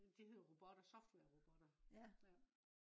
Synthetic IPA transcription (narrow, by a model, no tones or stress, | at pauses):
d̥ihe̝ðˠʁo̝b̥ɒ̽d̥ɐsɒ̽fd̥wɛɐʁob̥ɔd̥ɐjæ